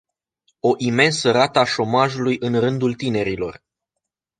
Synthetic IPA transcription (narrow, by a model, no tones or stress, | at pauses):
o̞ʔime̞nsəɾat̪əaʃo̞maʒulujɨnrɨnd̪ult̪ine̞ɾilo̞̰r